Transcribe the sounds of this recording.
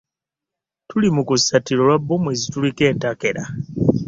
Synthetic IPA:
tulimukusatilo̞lwabːomwezitulike̞ːntake̞ɾa

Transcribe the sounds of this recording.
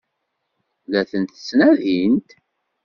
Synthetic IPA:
ðæθənt̪ə̥snæðint̪

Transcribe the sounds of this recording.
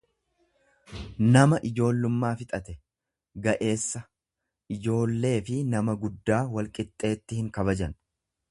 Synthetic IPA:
nɐmɐʔɪd͡ʒo̞ːlːʊmːaːfɪt̪ʼɐt̪ɛ | ɡɐʔe̞ːsːɐ | ʔɪd͡ʒo̞ːlːe̞ːfɪnɐmɐɡʊd̪ːaːwɐlkʼɪt̪ʼːe̞ːt̪ːɪhɪŋkɐβɐd͡ʒɐn

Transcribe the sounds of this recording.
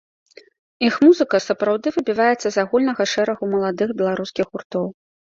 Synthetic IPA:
ixmuzɨkɐsɐpɾawd̪ɨvɨbʲivajɛt̪sːɐzaɣulʲnɐɣɐʂɛɾɐɣumɐlˠad̪ɨxbʲɛlˠaɾuskʲixɣurt̪ɔw

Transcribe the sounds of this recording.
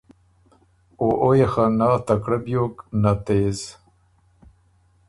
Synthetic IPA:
oʔojexanaːt̪akɽabjoːknat̪eːz

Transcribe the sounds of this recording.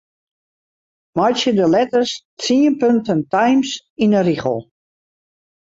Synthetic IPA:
mɔjsjədəlɛtərstt͡siənpøntəntajmsinəriχə̰lˠ

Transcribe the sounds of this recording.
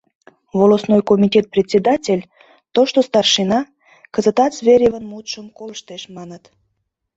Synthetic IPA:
volosnojkomʲitʲet̪̚prʲet̪ʲsʲed̪ɑtʲelʲ | t̪oʃt̪ost̪ɑrʃinɑ | kəzət̪ɑt̪svʲeɾʲevənmut̪ʃəmkoləʃt̪eʃmɑnət̪

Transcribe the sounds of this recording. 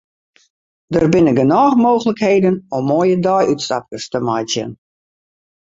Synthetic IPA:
dərbɪnəɡənɔːxmoːɣələkheːdənɔmːoːjədɔjytsta̰p̚kəstəmajtjə̰n

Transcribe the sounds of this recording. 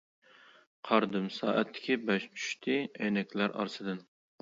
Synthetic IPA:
qʰɑɾd̪ɨmsɑːʔæt̪ʰːɪ̥kʲʰibɛʃt͡ʃʰy̥ʃt̪ʰɪɛjnɛkʲlæɾʔɑ̰ɾsɨd̪ɨn

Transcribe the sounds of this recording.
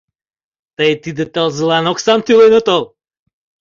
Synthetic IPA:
t̪ajt̪id̪ɛt̪ɛlˠzlˠanɔksamt̪ilˠɔjnɔt̪ɔlˠ

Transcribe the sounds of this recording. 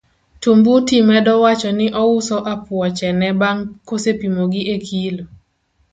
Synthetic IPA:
tumbutimɛdɔwat͡ʃɔnɪʔɔʊsɔʔapwɔt͡ʃɛnɛbaŋkosepimoɡiʔekʰilo

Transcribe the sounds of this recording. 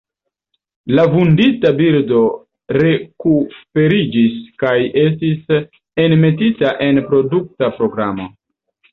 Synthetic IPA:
lavunditabiɾdo̞ | ɾe̞kufe̞ɾid͡ʒiskaje̞s̬tis | e̞nme̞titaʔe̞npɾo̞duk̚tapɾo̞ɡɾamo̞

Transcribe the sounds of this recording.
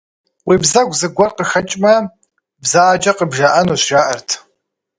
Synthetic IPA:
wibzɐɡʷzɨɡʷɐrqʼəxɐt͡ʃʼmɐ | bzaːd͡ʒʼɐqʼəbʒaʔanoʃʷʒaːʔɐrtʰ

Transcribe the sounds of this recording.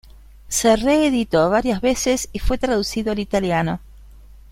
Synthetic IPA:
sereːðit̪oβaɾjazβesesifwe̞t̪ɾaðusiðoalit̪aljano̞

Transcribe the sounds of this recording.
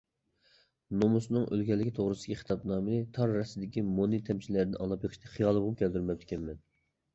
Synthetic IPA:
nomusnɨŋʔø̰lɡʲɛlːɪkʲit̪ʰoʁɾɨsʲiχʰi̥t̪ʰɑpnɑːmɨnɨt̪ʰɑɾːɛsɪd̪ɪkʲimonɨt̪ʰɛmt͡ʃʰilæɾd̪ɪnʔɑŋlˠɑpjeqʰə̥ʃt̪ɛχijɑlˠɨbupkʲʰɛld̪yɾmɛp̚t̪ɪ̥kʲɛnmɛn

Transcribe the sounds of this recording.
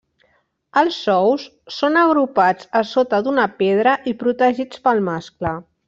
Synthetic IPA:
əlˠsːɔwsː | onəɣɾupad͡zəsot̪əd̪unəpeð̞ɾəʔipɾut̪əʒit͡spəlˠmasklə

